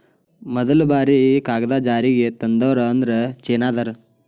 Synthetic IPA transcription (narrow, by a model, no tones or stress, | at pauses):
mɐd̪ɐlubaːɾikaːɡɐd̪aːd͡ʒaːɾiːɡet̪ɐnd̪ɐʋɐɾɐːnd̪ɐɾet͡ʃeːnaːd̪ɐɾ